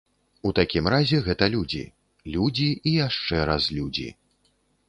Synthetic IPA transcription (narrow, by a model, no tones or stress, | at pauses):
ut̪akʲimrazʲɛɣɛt̪ɐlʲud͡zʲḭ | lʲud͡zʲiijaʂt͡ʂɛɾazlʲud͡zʲḭ